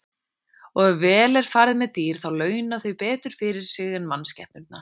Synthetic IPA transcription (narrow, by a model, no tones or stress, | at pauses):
ɔɣɛvɛːlɛɾ̥faɾðɪmɛðt̪iːɾ̥θawlœːɥnaθœɥpɛːt̪ʏɾ̥fɪɾɪɾ̥sɪɣɛnmanscɛ̰hpnʏɾt̪na